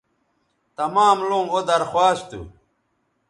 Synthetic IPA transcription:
t̪ɐmaːmlũŋod̪ɐɾxwaːst̪ṵ

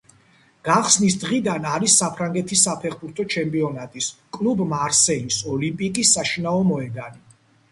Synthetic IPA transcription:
ɡ̥aχsnisd̪ʁid̪anaɾisːapʰɾaŋɡɛt̪ʰisːapʰɛχbuɾt̪ʰɔt͡ʃʰɛmpʼiɔnat̪ʼiskʼlubmaɾsɛlisɔlimpʼikʼisːaʃinaɔmɔɛd̪ani

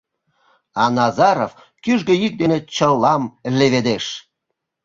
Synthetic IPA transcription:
ɑnɑzɑɾof | kyʒɡøjik̚d̪enet͡ɕəlːɑmleβed̪eʃ

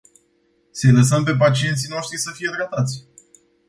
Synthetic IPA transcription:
se̞ləs̬əmp̬e̞p̬at͡ʃie̞nt̪sijno̞ʃt̪ɾisəfije̞t̪ɾat̪at̪sʲ

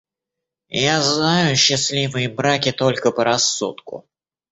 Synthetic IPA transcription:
jaznajʊɕːɪslʲivɨjəbɾakʲɪt̪o̞lʲkəpəɾɐsːut̪kʊ̰

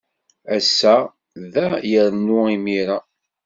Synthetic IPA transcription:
æsːæ | ðæjəɾnʊimiɾa

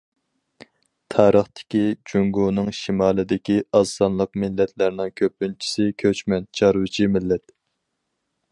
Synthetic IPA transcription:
t̪ʰɑːɾəχt̪ɪ̥kʲid͡ʒuŋɡunɨŋʃimɑːlˠɨd̪ɪkʲiɑzɑnlˠəq̚mɪlːɛt̪ʰlæɾnɪŋkʲʰøpːynt͡ʃʰi̥sɪkʲʰøt͡ʃmɛnt͡ʃʰɑɾwɨt͡ʃʰimɪlːɛt̪

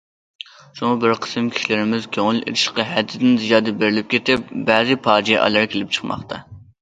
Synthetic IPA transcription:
ʃuŋɨbɪɾqʰə̥sɪmkʲʰi̥ʃilɪɾɪmɪzkʲʰøŋɪlḛlɪʃqɑɦɛd̪ːɪd̪ɪnzijɑːd̪ɨbeɾɪlɪp̚kʲet̪ɪp̚bɛzɨpʰɑːd͡ʒijɛʔɑ̰lˠɑɾkʲʰelɪp̚t͡ʃʰə̥qmɑ̰χt̪ʰɑ

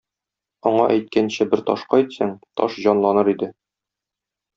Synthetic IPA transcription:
ɒɴɑʔæjt̪̚kænɕɘbɘɾt̪ɒʃqɑjt̪sæŋt̪ɒ̰ʃʑɒnlˠɑnɤɾid̪ɘ

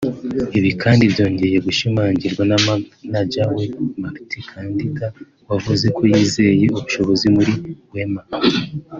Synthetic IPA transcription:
iβikʰaːndibjo̞ːɲɟe̞je̞ɡuʃimaːɲɟiɾɡwannaɟawemaktikʰaːndika | wavuze̞kʰo̞jiːze̞je̞uβuʃo̞βo̞zimuɾiwe̞ma

